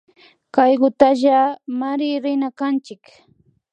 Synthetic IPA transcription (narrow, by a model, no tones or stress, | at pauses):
kajɢʊt̪aʒamaɾɪɾɪnakant͡ʃɪk